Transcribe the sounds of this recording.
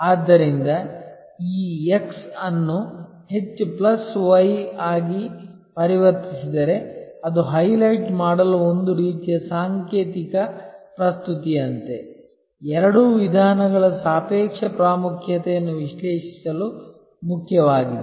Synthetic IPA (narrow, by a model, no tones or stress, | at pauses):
aːd̪ːɐɾind̪ɐ | iːeksɐnːu | he̞t͡ʃːuplɐsʋɐjaːɡi | pɐɾiʋɐɾt̪isid̪ɐɾe̞ɐd̪uɦɐjlɐjʈmaːɽɐluond̪uɾiːt̪ijɐsaːŋkeːt̪ikɐpɾɐst̪ut̪iɐnt̪e̞ | ɛɾɐɽuːʋid̪ʱaːnɐɡɐɭɐsaːpeːkʂɐpɾaːmukʰjɐt̪ɛjɐnːuʋiʂleːʂi̥sɐlu | mukʰjɐʋaːɡid̪e